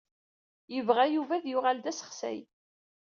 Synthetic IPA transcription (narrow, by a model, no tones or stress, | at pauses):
jəvʁæjuvæðjʊʁald̪æsə̥χsæ̰j